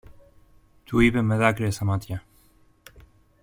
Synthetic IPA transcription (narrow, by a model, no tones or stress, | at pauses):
t̪ʰuiβeməðakɾesamat̪ja